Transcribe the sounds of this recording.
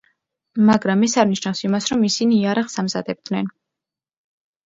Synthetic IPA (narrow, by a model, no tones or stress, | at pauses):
maɡɾamːɛsaɾvniʃnafsimasɾɔmisiniːaɾaχsamza̰d̪ɛb̚d̪nɛn